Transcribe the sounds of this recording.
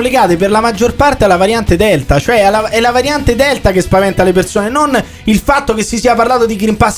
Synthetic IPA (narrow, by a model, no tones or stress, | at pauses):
leɡaːt̪eperlamad͡ʒːorpart̪ealːavaɾjant̪ed̪ɛlt̪at͡ʃoɛalaɛlːavaɾjant̪ed̪ɛlt̪akespavɛnt̪alep̬ersoːnenon | ilfat̪ːokesːisiːaparlaːt̪od̪iɡɾimpas